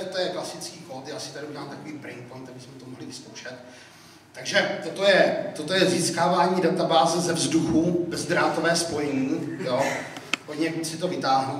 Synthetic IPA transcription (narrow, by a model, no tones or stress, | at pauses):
t̪ojɛklasɪt͡skiːkoːt̪jaʔasɪ̥t̪aɾɪuɟɛlaːmt̪akoviːpɾɪŋkpojnt̪abɪsmɛt̪omoɦlɪvɪskowʃɛt̪ː | aɡʒɛt̪ot̪ojɛt̪ot̪ojɛziːskaːvaːɲiːdat̪abaːzɛzɛvzduxubɛzd̪ɾaːt̪ovɛːspo̞jɛɲiːjo̞ | ɦoɟɲɛsɪt̪o̞vɪt̪aːɦno